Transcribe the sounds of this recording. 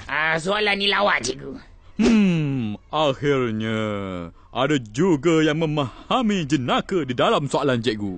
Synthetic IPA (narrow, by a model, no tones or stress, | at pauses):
as̬oalanːĩlawaʔd͡ʒɛʔɡu | ʔahirɲã | ʔadad͡ʒuɡajaŋmə̃mahamĩd͡ʒənakədidalamsoaland͡ʒɛʔɡu